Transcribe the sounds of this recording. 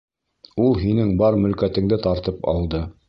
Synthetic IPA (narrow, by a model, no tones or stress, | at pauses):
ulˠɦinɘŋbɑɾmɵ̆lkæt̪ɘ̆ŋd̪ɘt̪ɑɾt̪ɤpɑ̰lˠd̪ɤ